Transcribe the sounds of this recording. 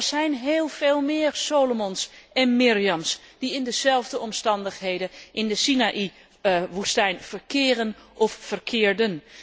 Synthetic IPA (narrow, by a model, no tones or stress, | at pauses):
rsɛjnɦeːlˠfeːlˠmɪːrsoːlomɔnsʔɛnmiriɑmsd̥iɪndəz̥ɛlˠvdəɔmstɑndəxɦejdəʔɪndəsinaʔi | ʋustɛjnfərkʰɪːrənʔɔfːərkʰɪːəɹdən